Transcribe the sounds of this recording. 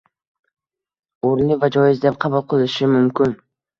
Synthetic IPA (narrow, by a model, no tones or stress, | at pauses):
oɾlɪvad͡ʒɒjɪzd̪ep̚qʰɑbʊlˠqʰɨlˠɪʃɪmʊmkʲʰɪn